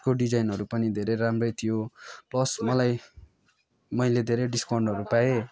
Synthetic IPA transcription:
koɖid͡zajnʌɾupʌnid̪ʱeɾʌjɾamrʌjt̪ʰijolʌsmʌlaj | mʌjled̪ʱeɾʌjɖiskawɳɖʌɾupae

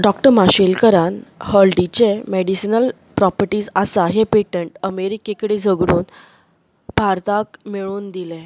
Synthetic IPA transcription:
ɖɔkʈəɾmaɕilkəɾanhəlɖit͡ɕemeɽisinəl | pɾɔpəɾʈiːd͡zasaɦepeʈəɳʈəmeɾikekɽid͡zʱəɡɽuːn | b̥ʱaɾt̪akmeɭuːnd̪ilẽ

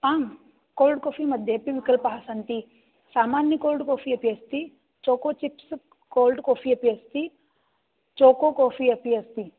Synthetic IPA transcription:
aːm | koːlɖkoːfʰimɐd̪ʱjɐpiʋikɐlpaːsɐnt̪i | saːmaːnjɐkoːlɖkoːfʰiɐpiɐst̪i | t͡ʃoːkoːt͡ʃips | koːlɖkoːfʰiːɐpiɐst̪i | t͡ʃoːkoːkoːfʰiɐpiɐst̪i

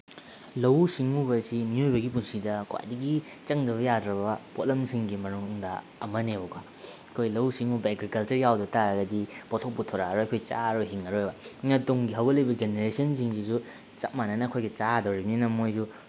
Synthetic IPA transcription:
lɐwsiŋubɐsimiojbɐɡipunsidɐkwa̰jdɐɡi | t͡ʃɐŋdɐβɐjadɾɐbɐpotlɐmsiŋɡimɐnuŋdɐ | ɐmɐneuka | kʰojlɐwsiŋubɐeɡɾikɐlt͡ʃɐɾjawdɐtaɾɐɡɐdipɔtʰok̚pɐtʰoɾaɾojɐkʰojt͡ʃa̰ɾojɦiŋɐɾojbɐŋɐtuŋɡiɦɐwɡɐlɐjbɐd͡ʒeneɾesɐnsiŋsizu | t͡ʃɐk̚mananɐkʰojɡit͡ʃadɐwɾibninɐmojzu

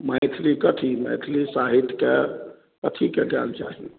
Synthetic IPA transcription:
maɪt̪ʰlikət̪ʰimə̰ɪt̪ʰlisaɦit̪ʰke | kət̪ʰikeɡɛ̰lt͡ʃa̰ɦi

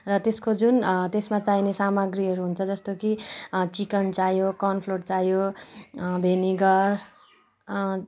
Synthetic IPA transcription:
rʌt̪eskod͡zunt̪esmat͡sainesamʌɡriɦʌɾuɦunt͡sʰʌd͡zʌst̪okit͡sikʌnt͡sajokʌnpʰlort͡sajo | bʱeniɡʌr

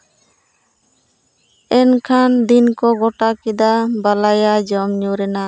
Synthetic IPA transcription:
ɛnkʰand̪inkɔɡɔʈakid̪abalajad͡ʒɔmɲuɾɛna

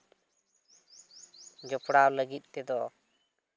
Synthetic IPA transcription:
d͡ʒɔpɽawləɡit̪̚ˀt̪ɛd̪ɔ

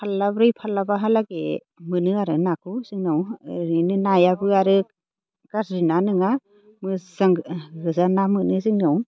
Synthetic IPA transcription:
pʰalːabɾɯjpʰalːabaɦalaɡe | mɯnɯaɾɯnakʰusɯŋnɯwɾɯnɯnajabɯaɾɯ | ɡaɾɾinanɯŋa | mɯzaŋɡɯzanamɯnɯzɯŋnɯw

